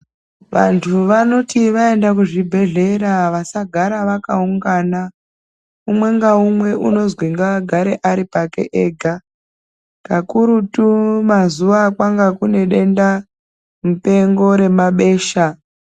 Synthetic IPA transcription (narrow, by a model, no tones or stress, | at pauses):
ʋa̰ntʰuʋano̞tiʋae̞ndakuʐibʱe̞ɮe̞ɾaʋasaɡʱaɾaʋakauŋɡaːna | umwe̞ŋɡaumwe̞ʔṵno̞zwiŋɡaɡʱaɾeʔaɾipakḛʔeːɡʱa | kakuɾutumazuʋakwaŋɡakune̞ɗe̞nda | mupe̞ŋɡo̞ɾe̞maɓe̞ːʃa